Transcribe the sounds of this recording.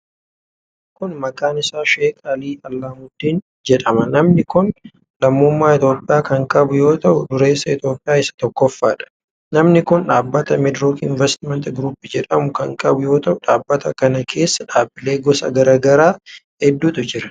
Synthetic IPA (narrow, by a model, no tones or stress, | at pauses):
kʊnmɐkʼaːnɪsaːʃeːkʼɐliːɐlːaːmʊd̪iːn | d͡ʒɛᶑɐmɐnɐmnɪkʊn | lɐmːʊmːaːɪt̪jo̞ːpʼːɪjaːkɐŋkʼɐbʊjo̞ːt̪ɐʔʊdʊɾe̞ːsːɐɪt̪jo̞ːpʼːɪjaːɪsɐ̥t̪ɔkːɔfːa̰ːᶑɐ̥ | nɐmnɪkʊnᶑaːbːɐt̪ɐmɛd̪ɾoːkɪnvɛst̪ɪmɛnt̪ɡɾuːpːɪd͡ʒɛᶑɐmʊkɐŋkʼɐbʊjo̞ːt̪ɐʔʊᶑaːbːɐt̪ɐkɐnɐkʰe̞ːsːɐᶑaːbːɪle̞ːɡɔsɐ̰ɡɐɾaːɡɐɾaː | ɛd̪ːuːt̪ʼʊd͡ʒɪɾɐ̥